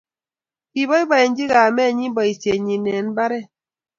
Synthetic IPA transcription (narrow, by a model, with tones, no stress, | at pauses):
pi˨bɔ˦i˦ba˨jɛ˨n˦d͡ʒi˦ɣa˨mɛ˦˨ɲi˦bɔ˨i˨sje˨ɲi˨nɛ˨n˦ba˦ɾɛ˦